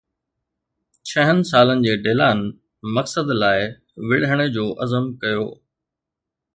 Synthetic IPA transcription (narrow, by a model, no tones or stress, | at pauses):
t͡ɕʰɐɦənɪ̆saːlənɪ̆d͡ʑeːɖeːlaːn | mɐksəd̪laːɪ | ʋɪɽɦəɽ̃əd͡ʑoːʔɐzəmkɐjo̰ː